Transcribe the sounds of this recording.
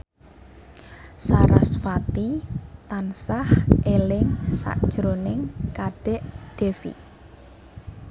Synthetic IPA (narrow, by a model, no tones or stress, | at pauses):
saɾa̰sfat̪it̪ansahʔelɪŋsa̰ʔd̥ʒ̥ɾonɪŋkad̪̥ɛʔd̪̥e̤fḭ